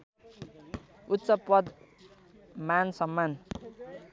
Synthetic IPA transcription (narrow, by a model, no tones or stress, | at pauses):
utːsʌpʌd̪ | mansʌmːan